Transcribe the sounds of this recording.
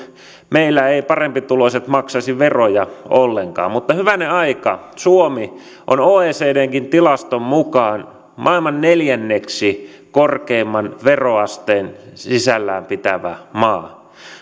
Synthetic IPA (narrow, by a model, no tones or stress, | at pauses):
meilːæeipɑrempit̪uloset̪mɑksɑsiʋerojɑolːeŋkɑ̰ːmmut̪ːɑhyʋæneɑikɑ̰suomi | ʔo̰noːeːseːdeːŋkint̪ilɑst̪ommukɑːn | mʔɑilmɑnneljænːeksi | korkeimːɑnʋeroɑst̪eːnsisælːæːmpit̪æʋæ̰mɑː